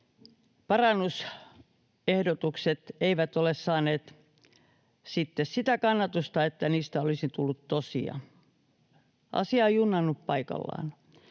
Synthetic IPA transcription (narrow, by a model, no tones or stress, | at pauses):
pɑrɑnːus | ehdot̪ukset̪eiʋæt̪olessɑːneːt̪ | sit̪ːessit̪ækɑnːɑt̪ust̪ɑet̪ːæniːst̪æolisit̪ulːut̪t̪osḭɑ̰ | ʔɑ̰siɑeijunːɑnːuppɑikɑ̰lːɑ̰ːn